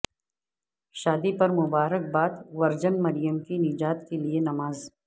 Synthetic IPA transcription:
ʃaːd̪ipɐɾmʊbaːɾək̚baːt̪ʋɐɾd͡ʒənmɐɾijəmkinɪd͡ʒaːt̪kelienɐmaːz

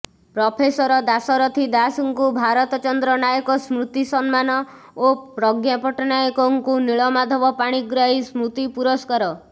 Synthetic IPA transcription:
pɾɔpʰesɔɾɔd̪asɔɾɔt̪ʰid̪asɔŋkubʱaɾɔt̪ɔt͡ʃɔnd̪ɾɔnajɔkɔsmɾut̪isɔnmanɔ | opɾɔɡjapɔʈɔnajɔkɔŋkuniɭɔmad̪ʱɔbɔpaɽ̃iɡɾaɦismɾut̪ipuɾɔskɔɾɔ

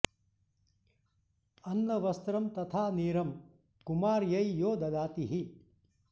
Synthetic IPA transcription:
ɐnːɐʋɐst̪ɾɐmt̪ɐt̪ʰaːniːɾɐm | kumaːɾjɐjjoːd̪ɐd̪aːt̪iɦi

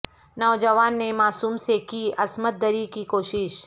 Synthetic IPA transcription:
nɔːd͡ʒəʋaːnːemaːsuːmsekiʔɐsmət̪̚d̪əɾikikoːʃɪʃ

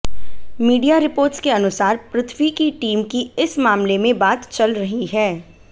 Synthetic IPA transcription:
miːɖijaɾɪpoːɾʈskeɐnʊsaːɾpɾɪt̪ʰwikiʈiːmkiɪsmaːmlemẽbaːt̪t͡ʃɐlɾɐɦiɦɛː

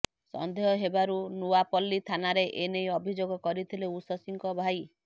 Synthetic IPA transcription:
sɔ̰nd̪ʱeɦɔɦebaɾunuapɔlːit̪ʰanaɾeʔenejɔbʱid͡ʒoɡɔkɔɾit̪ʰileusɔsiŋkɔbʱaj

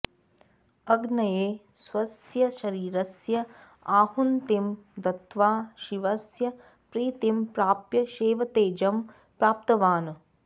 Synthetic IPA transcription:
ɐɡnɐjeː | sʋɐsjɐʃɐɾiːɾɐsjɐ | aːhunt̪imd̪ɐt̪ʋaːʃiʋɐsjɐ | pɾiːt̪impɾaːpjɐʃeːʋɐt̪eːd͡ʒɐm | pɾaːp̚t̪ɐʋaːnɐ

